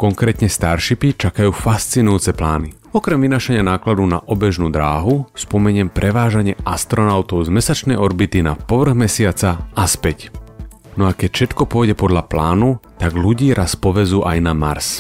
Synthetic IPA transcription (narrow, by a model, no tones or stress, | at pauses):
kɔŋkɾɛːt̪ɲɛst̪aɾʃipit͡ʃakajuːfast͡sinujuːt͡sɛplaːni | ɔkɾɛmʋinaːʃaɲɪanaːklad̪ɔna̰ʔɔbɛʒnuːd̪ɾaːɦuspɔmɛɲɪɛmpɾɛʋaːʒaɲɪɛʔast̪ɾɔnaʊt̪ɔʊzmɛsat͡ʃnɛjɔɾbit̪ina̰pɔʋr̩ɣmɛsɪat͡saaspɛc | nɔakɛcfʃɛt̪kɔpɔjɟɛpɔd̪ʎaplaːnut̪aɡluɟiːɾʔaspɔʋɛzuːʔajnama̰ɾs